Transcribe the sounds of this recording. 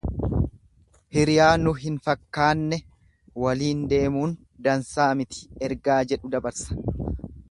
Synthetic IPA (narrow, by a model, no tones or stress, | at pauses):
hɪɾɪjaːnʊɦɪnfɐkːaːnːɛ | wɐliːnd̪e̞ːmuːn | d̪ɐnsaːmɪt̪ɪ̥ɛɾɡaːd͡ʒɛᶑʊd̪ɐbɐɾsɐ̥